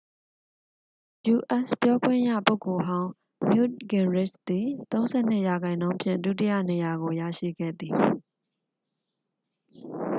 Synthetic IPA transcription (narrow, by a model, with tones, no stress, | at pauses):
ju˨ʔɛ˦spjɔ˦ɡwɪ̃˦˨jä̰˦˨po˦ʊko˨ɦã˦ʊ̃ | mjṵ˦˨ɡɪ̃˨nɹɪ˦˨sd̪i˨t̪õ˦ʊ̃nzɛ̰˦˨n̥ɪ˦˨ja˨ɡã˨ɪ̃nːõ˦ʊ̃mpʰjɪ̰̃˦˨ndṵ˦˨t̬ḭ˦˨jä̰˦˨ne˨ja˨ɡo˨ja̰˦˨ʃḭ˦˨ɡɛ̰˦˨d̪i˨